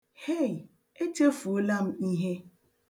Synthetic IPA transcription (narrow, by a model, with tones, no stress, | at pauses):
he˦˨j | e˦t͡ʃe˦fu˨o˦la˦m̩˦i˦ɦe˦